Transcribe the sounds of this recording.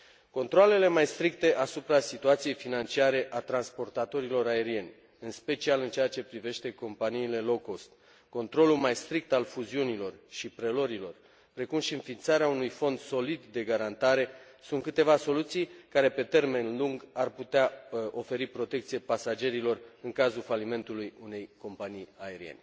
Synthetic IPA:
ko̞nt̪ɾoale̞le̞majst̪ɾik̚t̪e̞ʔasupɾasit̪uat̪sijejfinant͡ʃiaɾe̞ʔat̪ɾanspo̞rt̪at̪o̞ɾilo̞ɾae̞ɾie̞nʲ | ɨnspe̞t͡ʃialɨnt͡ʃeat͡ʃe̞pɾive̞ʃt̪e̞ko̞mpaniːle̞lo̞kost̪ | ko̞nt̪ɾo̞lulmajst̪ɾik̚t̪alfuziunilo̞rʃipɾe̞lo̞ɾilo̞r | pɾe̞kumʃiɨnfint̪saɾeaunujfo̞nd̪so̞lid̪ːe̞ɡaɾant̪aɾe̞ | sunt̪̚kɨt̪e̞vaso̞lut̪sijkaɾe̞pe̞t̪e̞rme̞nluŋɡarput̪eao̞fe̞ɾipɾot̪e̞k̚t̪sijepasad͡ʒe̞ɾilo̞rɨŋkazulfalime̞nt̪ulujune̞jko̞mpanijae̞ɾḭe̞̰nʲ

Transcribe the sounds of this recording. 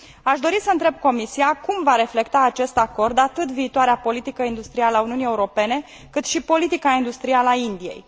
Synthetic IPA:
aʃd̪o̞ɾisəɨnt̪ɾe̞b̚ko̞misiakumvaɾe̞fle̞kt̪aːt͡ʃe̞st̪ako̞rd̪at̪ɨt̪viːt̪oaɾeapo̞lit̪ikəind̪ust̪ɾialəauniunije̞uɾo̞pe̞ne̞ | kɨt̪ʃipo̞lit̪ikaind̪ust̪ɾialaind̪ie̞̰j

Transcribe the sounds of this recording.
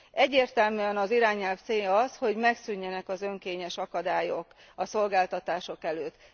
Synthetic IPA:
ʔɛɟːeːrt̪ɛlmyːɛnɒziɾaːɲːɛlft̪seːjɒsho̞ɟmɛksyɲːɛnɛkɒzøŋkeːɲɛʃɒkɒd̪aːjok | ɒso̞lɡaːlt̪ɒt̪aːʃo̞kɛløːt̪ː

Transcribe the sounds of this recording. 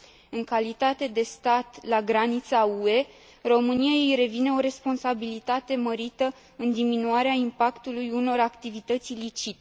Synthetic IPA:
ɨŋkalit̪at̪e̞d̪e̞st̪at̪laɡɾanit̪saue̞ | ro̞mɨnijaejɾe̞vine̞o̞ɾe̞spo̞nsabilit̪at̪e̞məɾit̪ə | ɨnd̪iminuaɾeaimpakt̪ulujuno̞ɾakt̪ivit̪ət̪sʲjlit͡ʃit̪e

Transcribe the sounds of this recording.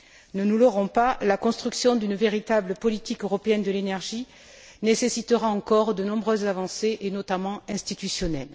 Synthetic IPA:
nənulɔʁɔ̃palakɔ̃st̪χyksjɔ̃d̪ynveʁit̪abləpɔlit̪ikøʁɔpeɛnd̪əlenɛʁʒi | nesesit̪əʁaɑ̃kɔʁd̪ənɔ̃bʁøzːavɑ̃seʔenɔt̪amɑ̃ɛ̃st̪it̪ysjɔnɛl

